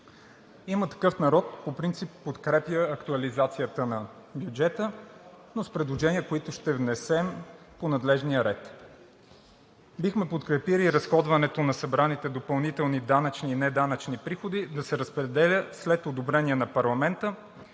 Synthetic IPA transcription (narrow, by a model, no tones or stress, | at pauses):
imət̪ɐ̥kɤfnɐɾɔt̪̚popɾint̪sipːot̪kɾɛpjəːkt̪uɐlizat̪sijət̪ənɐ | bjud͡ʒɛt̪ənospɾɛd̪lˠoʒɛniəkoit̪ʊʃt̪ɛvnɛsɛm | ponɐd̪lɛʒnijəɾɛt̪ | bixmɛpot̪kɾɛpiliɾɐsxɔd̪vɐnɛt̪onɐsɐbɾanit̪ɛd̪opɐlˠnit̪ɛlˠnid̪anət͡ʃniːnɛd̪anət͡ʃnipɾixod̪id̪ɐsɛɾəspɾɛd̪ɛlʲəslɛt̪od̪obɾɛniɛnɐpɐɾlˠɐmɛnt̪ə